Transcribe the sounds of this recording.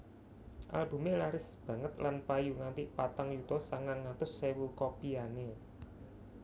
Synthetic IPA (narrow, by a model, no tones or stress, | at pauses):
ʔa̰lb̥ṳmelaɾɪsb̥ä̤ŋət̪lanpajuŋant̪ipat̪aŋjut̪ɔsaŋaŋːat̪ʊsːewukopiane